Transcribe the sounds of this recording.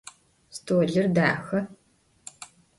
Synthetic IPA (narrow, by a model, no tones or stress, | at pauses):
stʰoːɮɨrdaːxɐ